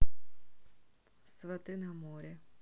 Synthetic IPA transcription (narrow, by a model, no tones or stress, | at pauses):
sʋɐt̪ɪnɐmɔɾʲɐ